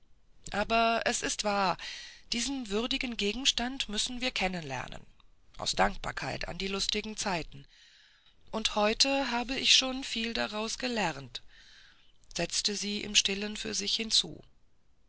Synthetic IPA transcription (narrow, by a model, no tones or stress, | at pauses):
ʔaːbɐʔɛsɪstv̥aːɐd̥iːzənvʏʁdɪɡn̩ɡeːɡŋ̩ʃtantmʏsn̩viːɐkʰɛnənlɛ̰ɐnə̰nʔa̰ʊsd̥aŋk̚b̥a̰ɐkʰa̰ɪtʰa̰ndiːlʊstɪɡŋ̩t͡saɪtn̩ | ʔʊnthɔʏtʰəɦaːbəɪçʃoːnfiːldaʁaʊsɡ̥əlɛʁnt | z̥ɛt͡stəziːʔɪ̰mʃtɪlənfyːɐzɪçhɪnt͡sṵː